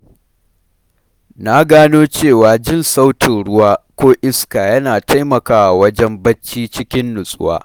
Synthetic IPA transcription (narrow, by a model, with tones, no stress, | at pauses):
na˦ɡaː˦noː˦t͡ʃeː˦˨waː˨d͡ʒɪ˦nsa˦wtɪ˨nɽʊ˦waː˦kʷoː˦ʔɪ˦skaː˨jɐ˦naː˨ta˦jmɐ˨kaː˦wʔa˨wɐ˦d͡ʒɛ˦mbɐ˦t͡ʃːiː˦t͡ʃɪ˦kʲɪ˦nːʊ˨sʼʊ̰˦wa̰ː˦